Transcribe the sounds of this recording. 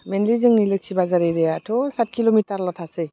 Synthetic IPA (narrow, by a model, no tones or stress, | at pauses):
mɛnlizɯŋnilɯk̚sibazaɾiɾɛjatʰɔsat̚kilomitaɾlɔtʰase